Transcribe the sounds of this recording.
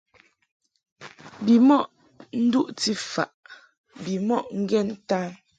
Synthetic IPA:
bi˨mɔ˦ʔ | n̩˦du˦ʔti˦fa̰˨ʔ | bi˨mɔ˦˨ʔŋ̩˦ɡɛ˦˨n˦ta˦

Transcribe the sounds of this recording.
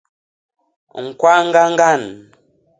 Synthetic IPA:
ŋ̩˨kwa˦ŋ̩˦ɡa˦ŋ̩˦ɡa˦˨n

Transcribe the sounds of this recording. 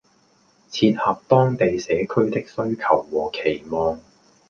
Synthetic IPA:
t͡sʰiː˧n̚haː˨p̚t̪ɔː˥ŋt̪e˨jsɛː˨˥kʰɵ˥ɥt̪ɪ˥k̚sɵ˥ɥkʰɐ˨˩wːɔː˨˩kʰe˨˩jmɔː˨ŋ

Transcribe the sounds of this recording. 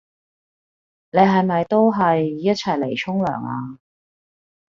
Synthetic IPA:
ne˨˧jɦɐ˨jmɐ˨jt̪o˥wɦɐ˨jjɐ˥t̚t͡sʰɐ˨˩jle˨˩jt͡sʰʊ˥ŋlœ̰ː˨˩ŋa̰ː˧

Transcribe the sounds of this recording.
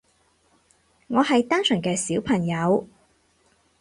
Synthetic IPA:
ŋɔː˨˧hɐ˨jt̪aː˥nsɵ˨˩ŋkɛː˧siː˨˥wpʰɐ˨˩ŋjɐ˨˧w

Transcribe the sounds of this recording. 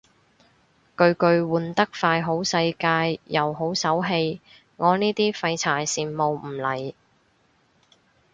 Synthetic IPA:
kɵ˧ɥkɵ˧ɥwuː˨˩nt̪ɐ˥k̚faː˧jɦo˨˥wsɐ˧jkaː˧jːɐ˨˩wɦo˨˥wsɐ˨˥wɦe˧j | ŋɔː˨˧niː˥t̪iː˥fɐ˧jt͡sʰaː˨˩jsiː˨˩nmo˨wm̩˨˩lɐ˨˩j

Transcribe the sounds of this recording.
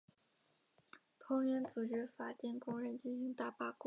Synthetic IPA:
t̪ʰʊ˥ŋjɛ˧˥nt͡su˨˩ʈ͡ʂɻ̩˥fa˨˩t̪jɛ˥˩nkʊ˥ŋɻə˧˥nt͡ɕi˥˩nɕi˧˥ŋt̪a˥˩pa˥˩kwɔ˥˩

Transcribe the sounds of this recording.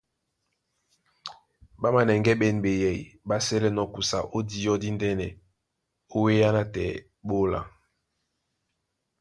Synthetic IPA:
ba˦ma˨nɛ˨ŋɡɛ˦ɓɛ˨n˨ɓe˨jɛ˨i˨ba˦sɛ˦lɛ˦nɔ˨ku˨sa̰˨ʔo˦di˦jɔ˦di˦ndɛ˦nɛ˨ | o˦we˦ja˦na˦tɛ̰˨ | ɓo˦la̰˨

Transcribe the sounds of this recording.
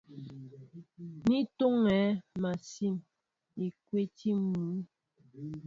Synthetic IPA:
ni˦to˦ŋɛ˨˦ma˨si˦˨n | i˨kwe˦ti˦mu˨˦

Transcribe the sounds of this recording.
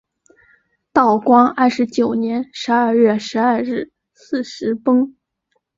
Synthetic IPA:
t̪ɑ˥˩ʊkwɑ˥ŋa˥˩ʂɻ̩˧˥t͡ɕjo˨˩ʊnjɛ˧˥nʂɻ̩˧˥ɐ˞˥˧ɥɛ˥˩ʂɻ̩˧˥ɐ˞˥˧ɻɻ̩˥˩ | sɹ̩˥˩ʂɻ̩˧˥pɤ˥ŋ

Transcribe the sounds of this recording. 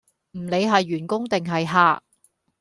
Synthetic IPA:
m̩˨˩le˨˧jɦɐ˨jːyː˨˩nkʊ˥ŋt̪ɪ˨ŋɦɐ˨jɦaː˧

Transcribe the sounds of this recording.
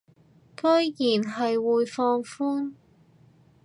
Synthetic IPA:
kɵ˥jjiː˨˩nɦɐ˨jwuː˨jfɔː˧ŋfuː˥n

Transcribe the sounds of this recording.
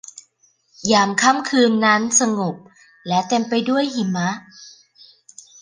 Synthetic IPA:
jaː˨˩mkʰa˥˩mkʰɯː˧nːa˦˥nsa˧ŋo˨˩p̚ | lɛ˦˥t̪e˧mpa˧jdu˥˩əjhi˨˩ma˦˥ʔ

